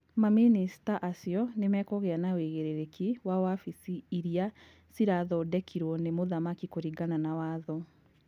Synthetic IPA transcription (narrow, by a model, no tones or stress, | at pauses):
maminisi̥taʔasiɔnemɛːkɔɣeanaweɣeɾeɾekiwawafisiːɾia | siɾaðɔdɛkʰiɾwɔnemoðamakikoɾiɡananawaːðɔ